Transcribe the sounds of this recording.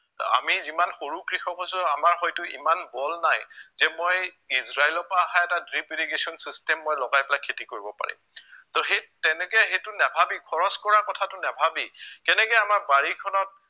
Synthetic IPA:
a̰mizimanxoɹukɹixɔkɦosʊamaɹxɔjtʊḭmanbɔlnajzɛmoj | izɹailɔpaːɦaɛtadɹipiliɡesɔnsistɛmːojlɔɡajpɛlakʰːetikoɹibɔpa̰ɹḭmtɔɦetɛnɛkɛɦejtʊnabʱabikʰɔɹɔskɔɹakɔtʰatʊnabʱabikɛnɛkɛjamaɹbaɹikʰɔnɔt̚

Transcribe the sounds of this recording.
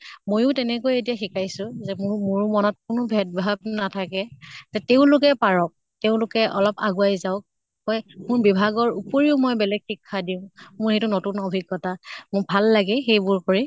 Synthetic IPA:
mojʊtɛnɛkojetijaxikajsʊzɛmʊmʊɹmɔnɔt̚kʊnʊbʱɛt̚bʱab̚natʰakɛzɛteʊ̃lʊkɛpaɹɔk̚ | teʊ̃lʊkɛʔɔlɔpa̰ɡuajzaʊk̚ | hɔjmʊɹbibʱaɡɔɹupoɹiʊmɔjbɛlɛɡxikʰːadiʊ̃mʊɹetunotunobʱiɡːɔtamʊbʱalːaɡɛxejbʊɹkoɹi

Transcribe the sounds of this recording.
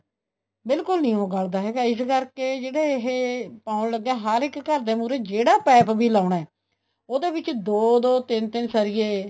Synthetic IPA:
bɪlkʊlnĩːɦoːɡaːld̪aːɦɛːɡaːɪskəɾkeːd͡ʒeːɽeːɦeːpaːʊnləɡːɛːɦaɾɪkːəɾd̪eːmuːɾeːd͡ʒeːɽaːpɛːpbiːlaːʊɳaɛː | oːd̪eːbɪt͡ʃd̪oːd̪oːt̪ɪnt̪ɪnsəɾɪjeː

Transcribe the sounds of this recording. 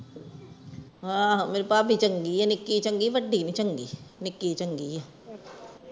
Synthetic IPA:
ɦãːmeːɾepaːbʱit͡ʃəŋɡiɛnɪkːit͡ʃə̃ŋɡiʋəɖʱinĩt͡ʃəŋɡḭnɪkːit͡ʃəŋɡiɛ

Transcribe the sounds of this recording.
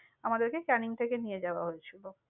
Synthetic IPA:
amad̪eɾkekɛniŋt̪ʰekenijed͡ʑaoaɦojet͡ɕʰilo

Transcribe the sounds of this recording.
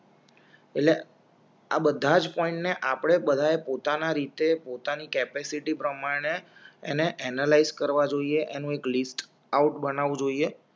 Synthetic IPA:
eʈle | a̰bəd̪ʱad͡ʒpɔĩɳʈneʔapɽ̃ebəd̪ʱaepot̪anaɾit̪epot̪anikɛpesiʈipɾəmaɽ̃eːneʔɛnalaizkəɾʋad͡ʒoieʔenũeklisʈ | auʈbənaʋũd͡ʒoie

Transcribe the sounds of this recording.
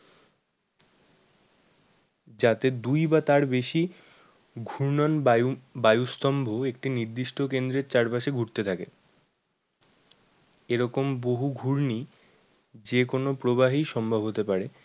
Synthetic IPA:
d͡ʑat̪ed̪ujbat̪aɾbeʃi | ɡʱuɾnɔnbajust̪ɔmbʱoek̚ʈiniɾd̪iʃʈokend̪ɾeɾt͡ɕaɾpaʃeɡʱuɾt̪et̪ʰakḛ | eɾɔkomboɦuɡʱuɾni | d͡ʑekonopɾoβaɦiʃɔmbʱabɦot̪epaɾe

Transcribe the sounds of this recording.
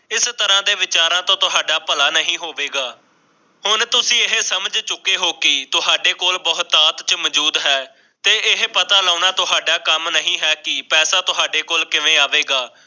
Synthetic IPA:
ɪst̪əɾãːd̪eːʋɪt͡ʃaːɾãːt̪õːt̪ʊɦaːɖaːpəlaːnəɦĩːɦoːʋeːɡaː | hʊnt̪ʊsĩːɪɦsəməd͡ʒt͡ʃʊkːeːɦoːkɪt̪ʊɦaːɖeːkoːlbəɦʊt̪aːt̪t͡ʃməd͡ʒuːd̪ɦɛː | t̪eːʔɪɦpət̪aːlaːnaːt̪ʊɦaːɖaːkəmnəɦĩːɦɛːkɪpɛːsaːt̪ʊɦaːɖeːkoːlkɪʋẽːaːʋeːɡaː

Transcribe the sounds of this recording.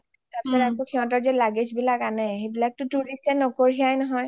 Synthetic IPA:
tapsɔɹɛakokʰiɦɔ̃tɔɹzɛlaɡed͡ʒbilakanɛɦebilak̚tʊtuɹistɛnɔkoɹiajnɔɦɔj

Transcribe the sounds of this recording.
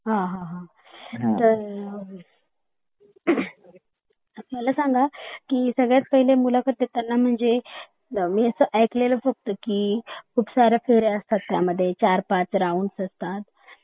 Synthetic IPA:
ɦãɦãɦã | t̪əɾ | əsməlasãŋɡakiːsəɡɭjat͡skəɦilemulakət̪̚d̪et̪anːam̤əɳd͡ze | miːəsəʔəjkleləfəɡ̚t̪əkikʰuːpsaɾjafeɾeəst̪at̪ːja̰məd̪ʱːjet͡ɕaɾpat͡sɾauːnsəst̪at̪

